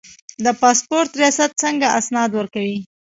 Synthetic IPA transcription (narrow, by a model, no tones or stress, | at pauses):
d̪əpɑspoɾt̪ɾijɑsat̪̚t͡səŋɡaʔasnɑd̪wəɾkawi